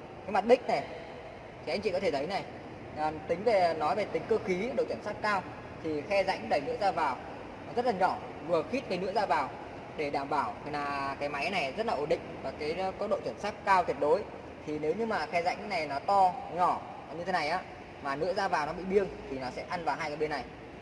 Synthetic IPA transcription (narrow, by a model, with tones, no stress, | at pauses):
kaː˨˦jma˨˩t̚ɗï˦˥k̟̚na˨˩j | t̪ʰi˨˩a˧jŋt͡ɕḭ˧˨kɔ˨˦t̪ʰe˧˩t̪ʰjna˨˩j | t̪ï˨˦ŋ̟ve˨˩nɔ˨˦jve˨˩t̪ï˨˦ŋ̟kəː˧xi˨˦ɗo̰˧˨wt͡ɕə˧˩nsa˦˥kaː˧w | t̪ʰi˨˩xɛ˧za̰˧˥jŋɗə˧˩jnɨ̰˧˥əzaː˧vaː˨˩w | zə˦˥t̚laː˨˩ɲɔ˧˩ | vɨ˨˩əxi˦˥t̚və˨˦jnɨ̰˧˥əzaː˧vaː˨˩w | ɗe˧˩ɗaː˧˩mɓaː˧˩wʰlaː˨˩kaː˨˦jma˨˦jna˨˩jzə˦˥laː˨˩ʔo˧˩nɗḭ̈˧˨ŋ̟vaː˨˩kaː˨˦jkɔ˦˥ɗo̰˧˨t͡ɕə˧˩nsaː˦˥k̚kaː˧wt̪wt̚ɗo˨˦j | t̪ʰi˨˩ne˨˦wɲɨ˧maː˨˩xɛ˧za̰˧˥jŋna˨˩jnɔ˨˦t̪ɔ˧ɲɔ˧˩ | ɲɨ˧e˨˦na˨˩jʔaː˨˦ | maː˨˩nɨ̰˧˥əzaː˧vaː˨˩wnɔ˨˦ɓḭ˧˨ɓi˧əŋt̪ʰi˨˩nɔ˨˦sɛ̰˧˥ʔa˧nvaː˨˩wɦaː˧jkːaː˨˦ɓe˧nːa˨˩j